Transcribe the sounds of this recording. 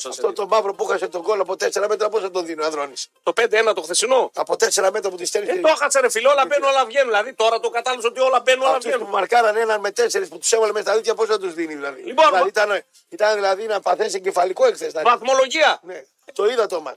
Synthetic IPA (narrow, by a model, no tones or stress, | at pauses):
ɐft̪ot̪o̞mɐvɾo̞puxɐset̪oɡoloɐpo̞t̪e̞seɾɐme̞t̪ɾɐposɐt̪oðinoɐðɾo̞nist̪opend̪eenɐt̪oxθesino̞ɐpo̞t̪e̞seɾɐme̞t̪ɾɐp̬ot̪ist̪eɾt̪oxɐt͡seɾefileolɐbenuolɐvʝenũðilɐðit̪o̞ɾɐt̪okɐt̪ɐlosot̪iolɐbenuolɐvtenumɐɾkɐɾɐnenɐnme̞t̪e̞seɾisput̪u̥sevɐlemest̪ɐðit̪çɐpo̞sɐt̪̬uzðiniðilɐðḭlionɐit̪ɐn | it̪ɐnðilɐðinɐpɐθeseɟefɐliko̞ekθest̪ɐvɐθmo̞lo̞ʝiɐne | t̪o̞iðɐt̪omɐ̰n